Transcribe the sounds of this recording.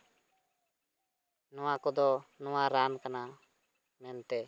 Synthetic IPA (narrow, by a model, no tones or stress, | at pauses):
nɔwãkɔd̪ɔnɔwãɾankana | mɛnt̪ɛ